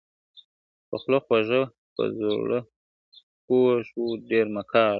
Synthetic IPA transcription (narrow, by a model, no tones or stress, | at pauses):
pəxloxwaʒə | pə̰zolə | poʃwuɖeɾmakʰɑːɾ